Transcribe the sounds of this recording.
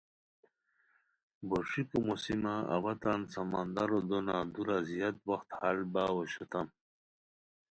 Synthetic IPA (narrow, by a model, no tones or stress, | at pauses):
boʂikomosimaa̰wat̪ansamand̪aɾod̪onad̪uɾazijat̪waxt̪halbawoɕut̪am